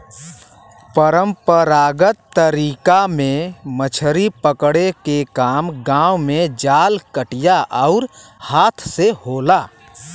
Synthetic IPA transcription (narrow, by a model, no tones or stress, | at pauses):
pəɾə̃mpəɾaːɡət̪ːəɾiːkamẽmət͡ʃʰɾipəkɽekekaːmɡãːwmẽd͡ʒaːlkəʈijaʔəʊɾhaːt̪ʰsehoːla